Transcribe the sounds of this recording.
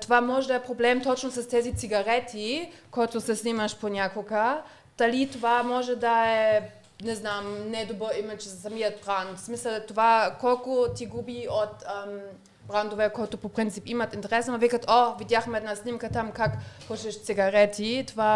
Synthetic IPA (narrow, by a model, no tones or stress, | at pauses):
t̪ovamɔʒɛd̪ɐɛpɾoblɛmt̪ɔt͡ʃnosɐst̪ɛzit̪siɡɐɾɛt̪ʰikɔjt̪ʊsɛsnʲiməʃponʲakoɡə | d̪̥ɐlit̪ovamɔʒɛd̪ɐɛ | nɛznamnɛd̪obəimɛt͡ʃzɐsɐmiət̪̚bɾant̪smisəlˠt̪ovakɔlˠkʊt̪iɡubiot̪əm | bɾand̪ovɛkɔjt̪opopɾint̪sipimət̪int̪ɛɾɛsnomɐvikət̪ʰovid̪jaxmɛɛd̪nasnimkət̪amkakpɔʃɛʃt̪siɡɐɾɛt̪it̪ova